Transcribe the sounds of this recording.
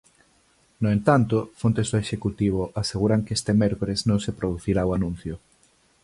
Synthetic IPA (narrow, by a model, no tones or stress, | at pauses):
noent̪ant̪ofont̪esoeʃekut̪iβ̞oʔaseɣuɾaŋkest̪emɛɾkoɾeznõŋsepɾoð̞uθiɾaoanũn̟θjo